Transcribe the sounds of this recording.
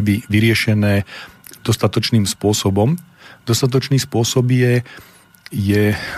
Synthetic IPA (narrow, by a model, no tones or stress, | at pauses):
biʋiɾɪɛʃɛnɛː | d̪̥ɔst̪at̪ɔt͡ʃniːmspʊɔsɔbɔm | d̪ɔst̪at̪̬ɔt͡ʃniːspʊɔsɔbjɛ | jɛ